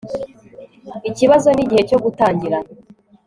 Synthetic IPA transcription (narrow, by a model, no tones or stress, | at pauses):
iciβazo̞niɟihe̞co̞ɡutaːɲɟiɾana